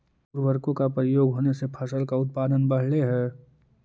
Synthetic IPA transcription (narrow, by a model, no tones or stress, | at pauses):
uɾʋəɾkõkapɾəjoːɡɦoːnesepʰəsəlkaʊt̪̚paːd̪ənbɐɦɭeɦɛː